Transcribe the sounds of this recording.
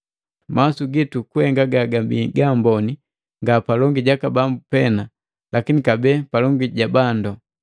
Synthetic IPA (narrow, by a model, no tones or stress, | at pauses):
masuɡitukuhɛŋɡaɡaɡabḭɡambɔni | ŋɡapalɔŋɡiɟakabambupɛna | lakinikabɛːpalɔŋɡiɟabandɔ